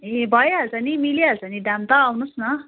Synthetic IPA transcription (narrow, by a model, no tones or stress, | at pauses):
ẽbʱʌjeɦʌlt͡sʌnimiliɦʌlt͡sʌniɖamt̪aːwnusnʌ